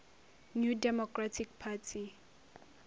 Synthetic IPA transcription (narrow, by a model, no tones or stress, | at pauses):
njudɛmɔkʰratʰik̚pʰatʰi